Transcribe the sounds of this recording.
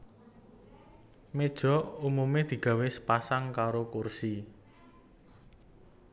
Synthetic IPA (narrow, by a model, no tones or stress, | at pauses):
med̥ʒ̥ɔ̤umumed̪̥i̤ɡ̥a̤wɪspasaŋkaɾokursi